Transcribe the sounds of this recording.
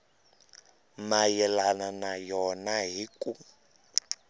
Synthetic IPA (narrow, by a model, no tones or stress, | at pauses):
majɛlananajɔnaɦiku